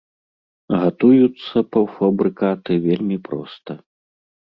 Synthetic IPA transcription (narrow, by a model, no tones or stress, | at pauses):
ɣat̪ujut̪sːɐpɐwfabɾɨkat̪ɨvʲelʲmʲipɾɔ̰st̪ɐ